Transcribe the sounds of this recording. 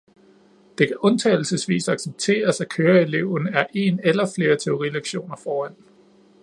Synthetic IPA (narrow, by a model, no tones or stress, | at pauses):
d̥e̝kʰæʔɔ̽nt͡sʰɛ̰ɪl̩səsʋḭːsɑ̈ɡ̥seb̥̚t͡sʰe̝̰ːɐsækʰøːɐe̝le̝ʊ̰næɐʔe̝ːnelɐfle̝ːɐt͡sʰe̝o̝ʁileɡ̥ɕo̝̰ːnɐfɒːæn̰